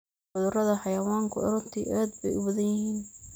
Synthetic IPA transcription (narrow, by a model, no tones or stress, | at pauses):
ħʊðʊrɐðɐħɑjɐwaːŋkʰʊʔɐ̰ɾʊnt̪ʰḭʔaːd̪̚bɛ̰jʔʊwʊðɛjiːn